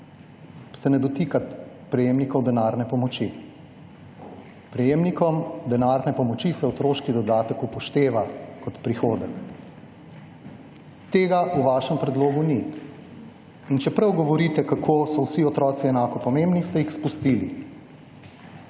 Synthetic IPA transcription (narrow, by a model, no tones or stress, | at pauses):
sɛnɛd̪ɔt̪ikat̪ | pɾɛjeːmnikɔwd̪ɛnaːɾnɛpɔmɔt͡ʃi | pɾɛjeːmnikɔmd̪ɛnaːɾnɛpɔmɔt͡ʃisɛɔt̪ɾoːʃkid̪ɔd̪aːt̪əkupɔʃt̪eːʋakɔt̪pɾixoːd̪ɛk | t̪eːɡaʔuʋaːʃɛmpɾɛd̪loːɡuni | int͡ʃɛpɾɐwɡɔʋɔɾit̪ɛkakʰosɔwsiɔt̪ɾɔːt̪siɛnaːkɔpɔmembnist̪ɛjixspust̪ilḭ